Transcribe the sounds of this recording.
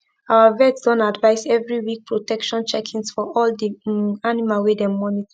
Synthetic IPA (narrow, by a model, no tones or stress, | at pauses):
awavɛdsd̥ɔ̃ntadvaɪsɛvɹiwik̚pʰɹotɛkʃɔ̃nt͡ʃɛkʰĩnsfɔɔldianimalwedɛ̃mɔnit